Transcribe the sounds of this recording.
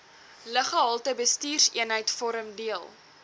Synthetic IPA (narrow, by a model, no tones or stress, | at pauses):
ləχəɦɑlˠtəbəstiːrsiənɦəjtfɔɾəmdiəlˠ